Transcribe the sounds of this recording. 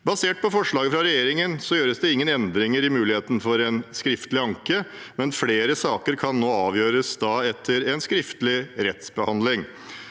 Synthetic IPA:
bɑseːʈ̚pʰɔfɔʂɭɑːɡəfɾɑɾɛjeːɾɪŋənsɔjøːɾəsd̪ɛɪŋːənɛnd̪ɾɪŋəɾɪmʉːlɪheːt̪n̩fɔɾɛnskɾɪft̪əlɪɑŋkəmɛnfleːɾəsɑːkəɾkʰɑnːoːɑːʋjøːɾəsd̪ɑːɛt̪ʰːəɾɛnskɾɪft̪lɪɾɛt̪sbəhɑnd̪lɪŋ

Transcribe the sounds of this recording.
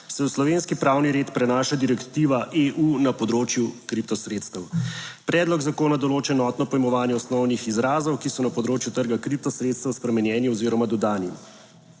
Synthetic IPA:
sɛuslɔʋenskipɾaːwniɾeːt̪pɾɛnaːʃad̪iɾɛkt̪iːʋaʔeʔunapɔd̪ɾoːt͡ʃjukɾip̚t̪ɔsɾeːt̪st̪əwpɾɛːd̪lɔɡzakoːnad̪ɔloːt͡ʃɛɛnɔt̪nɔpɔjmɔʋaːnjɛɔsnɔwnixizɾaːzɔwkisɔnapɔd̪ɾoːt͡ʃjut̪əɾɡakɾip̚t̪ɔsɾet̪st̪əwspɾɛmɛnjɛːniɔziːɾɔmad̪ɔd̪aːnim

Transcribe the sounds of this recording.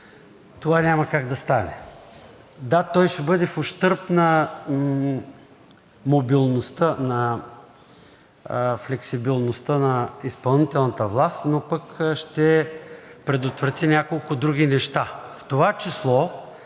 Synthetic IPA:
t̪ovanʲamɐkaɡd̪ɐst̪anɛ̰ | d̪at̪ɔjʃɛbɤd̪ɛfoʃt̪ɤɾpnɐ | mobilˠnost̪ənɐ | flɛksibilˠnost̪ənɐispɐlˠnit̪ɛlˠnət̪əvlˠast̪nopəkʃt̪ɛ | pɾɛd̪ot̪vɾɐt̪inʲakolˠkʊd̪ɾuɡʲinɛʃt̪aft̪ovat͡ʃislˠɔ

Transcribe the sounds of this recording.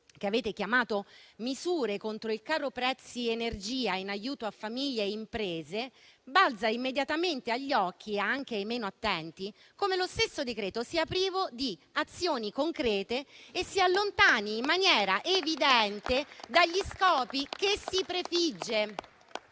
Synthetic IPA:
k̟eaveːt̪ek̟jamaːt̪omizuːɾekont̪ɾoilkaːɾopɾɛt̪sːienerd͡ʒiːainajuːt̪oafːamiʎːeimpɾeːzebald̪zaimːed̪jat̪ament̪eaʎːɔk̟ːiaŋk̟eajmeːnoat̪ːɛnt̪i | komelost̪esːod̪ekɾeːt̪osiapɾiːvod̪iat̪sːjoːnikoŋkɾɛːt̪eːsːialːont̪aːniːmːanjɛːɾaʔevid̪ɛnt̪ed̪aʎːiskɔːpikesipɾefid͡ʒːe

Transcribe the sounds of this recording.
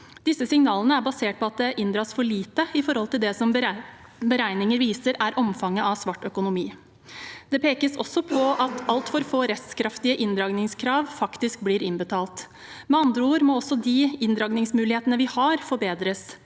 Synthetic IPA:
d̪̥ɪsːəsɪŋnɑːlənəæɾbɑseːʈ̚pʰɔɑt̪̚d̪ɛʔɪnd̪ɾɑːsfɔɭiːt̪əɪfɔɾhɔlt̪ɪld̪ɛsɔm | bəɾæɪnɪŋəɾʋiːsəɾæɾʔɔmfɑŋːəʔɑʋsʋɑʈːœkʊnʊmiː | d̪̥ɛpʰeːkəsɔ̰sɔpʰɔɑt̪ʰɑlt̪fɔɾfoːɾɛskʰɾɑft̪ɪəʔɪnd̪ɾɑːɡnɪŋskʰɾɑːʋfɑkt̪ɪsk̚bliːɾɪnbət̪ʰɑːlt̪ | mɛɑnd̪ɾəuːɾmoːɔsːɔd̪iɪnd̪ɾɑːɡnɪŋsmʉːlɪheːt̪ənəʋɪhɑɾfɔɾbeːd̪ɾəs

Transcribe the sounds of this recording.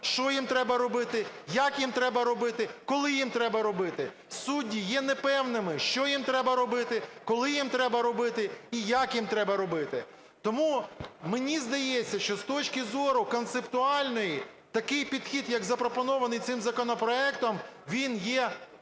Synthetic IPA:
ʃt͡ʃɔjimt̪ɾɛbɐɾɔbɪt̪ɪjakjimt̪ɾɛbɐɾɔbɪt̪ɪkɔlˠɪjimt̪ɾɛbɐɾɔbɪt̪ɪ | sudʲːijɛnɛpɛwnɪmɪʃt͡ʃɔjimt̪ɾɛbɐɾɔbɪt̪ɪkɔlˠɪjimt̪ɾɛbɐɾɔbɪt̪ɪijakjimt̪ɾɛbɐɾɔbɪt̪ɪ | t̪ɔmumenʲizd̪ɐjɛt͡sʲːɐʃt͡ʃɔst̪ɔt͡ʃkʲɪzɔɾʊkɔnt̪sept̪ʊɑlʲnɔji | t̪ɐkɪjpʲid̪xʲid̪jɐkzɐpɾɔpɔnɔʋɐnɪjt̪sɪmzɐkɔnɔpɾɔɛkt̪ɔmʋʲinjɛ

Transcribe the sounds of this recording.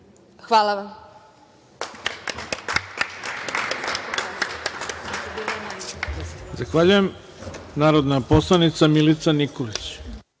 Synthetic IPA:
xʋaːlˠaʋam | zaxʋaʎujem | naːɾod̪naposlˠanit̪samilit̪sanikolit͡ɕ

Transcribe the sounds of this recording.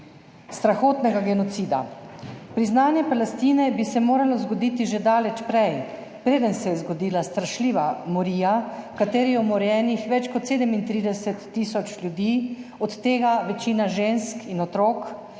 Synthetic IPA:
st̪ɾaxoːt̪nɛɡaɡɛnɔt̪siːd̪a̰pɾiznaːnjɛpalɛst̪iːnɛbisɛmoːɾalɔzɡɔd̪iːt̪iʒed̪aːlɛt͡ʃpɾɛj | pɾeːd̪ənsɛjɛzɡɔd̪iːlast̪ɾaʃliːʋamɔɾiːjakat̪eːɾiɛɔmɔɾjɛːnixʋɛt͡ʃkɔt̪seːd̪ɛmint̪ɾiːd̪ɛsɛt̪ːisɔt͡ʃlʲjud̪iːɔt̪ːeːɡaʋɛt͡ʃiːnaʒenskinɔt̪ɾoːk

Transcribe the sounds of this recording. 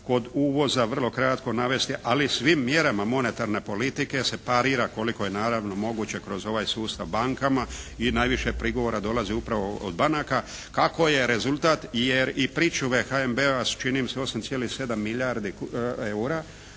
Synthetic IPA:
ko̞d̪uʋo̞zaʋr̩lo̞kɾat̪ko̞naʋe̞st̪iʔalisʋimːje̞ɾamamo̞ne̞t̪aɾne̞po̞lit̪ike̞se̞paɾiːɾako̞liko̞jenaːɾaʋno̞mo̞ɡut͡ɕe̞kɾo̞zo̞ʋajsuːst̪aʋbaŋkamainaːjʋiʃe̞pɾiɡo̞ʋo̞ɾad̪o̞laziupɾaʋoo̰d̪banaka | kako̞je̞ɾe̞zulˠt̪at̪jeɾipɾiːt͡ʃuʋe̞xaembeast͡ʃinimseo̞samt̪sjelixse̞d̪amːiʎaɾd̪ieuɾa

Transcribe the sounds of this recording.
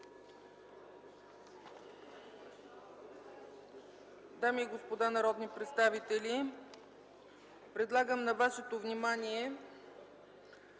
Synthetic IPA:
d̪amiːɡospod̪anɐɾɔd̪nipɾɛt̪st̪avit̪ɛli | pɾɛd̪lˠaɡəmnɐvaʃɛt̪ovnimaniɛ

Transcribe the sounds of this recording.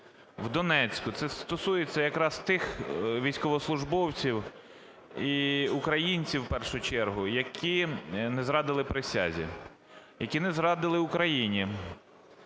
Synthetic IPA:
wd̪ɔnɛt͡sʲkʊt̪sɛst̪ɔsujet͡sʲːɐjɐkɾɑst̪ɪxʋʲijsʲkɔʋɔslˠʊʒbɔwt͡sʲiw | iʊkɾɐjinʲt͡sʲiwpɛrʃʊt͡ʃɛrɦʊjɐkʰʲinɛzɾɑd̪ɪlˠɪpɾɪsʲa̰zʲḭ | jɐkʲinɛzɾɑd̪ɪlˠɪʊkɾɐjinʲi

